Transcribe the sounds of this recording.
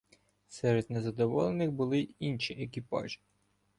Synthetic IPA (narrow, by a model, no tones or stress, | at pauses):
sɛɾed̪nezɐd̪ɔʋɔ̰lˠenɪxbʊlˠɪinʲʃiʔekɪpɑ̰ʒɪ̥